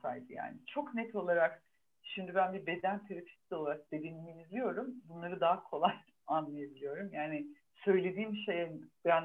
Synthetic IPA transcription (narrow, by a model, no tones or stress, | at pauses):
sa̰ːjib̪ɯja̰ːnit͡ʃʰo̞knɛt̪ʰo̞lˠaɾak | ʃimd̪ibænbibe̞d̪ænt̪ʰeɾapʰi̥sʲi̞lˠaɾak̚d̪e̞d̪enimiizlʲijo̞ɾumbunlˠaɾɯd̪aɦakʰo̞lˠaj | anlˠajabilʲijo̞ɾumjaːnɪ | sø̞jlʲe̞d̪iːmʃejɛbjan